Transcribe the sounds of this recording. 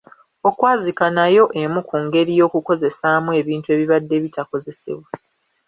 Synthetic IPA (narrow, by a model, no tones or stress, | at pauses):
o̞kwaːzikanajo̞ʔe̞mukʰuŋɡe̞ɾijo̞ːkuko̞ze̞samue̞ːβiːntue̞ːβiβadːe̞ːβitako̞ze̞se̞̰βwa